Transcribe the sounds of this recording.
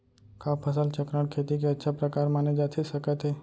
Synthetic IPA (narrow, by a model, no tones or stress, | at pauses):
kapʰəsəlt͡ʃəkɾaɽkʰeːt̪ik̬eətːʃʰapɾəkaːɾmaned͡ʒaːt̪ʰisəkət̪ɦe